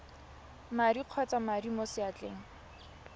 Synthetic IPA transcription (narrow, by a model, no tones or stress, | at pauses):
maɾiq͡χʰɔt͡samadimosɪat͡ɬʼḛːŋ̩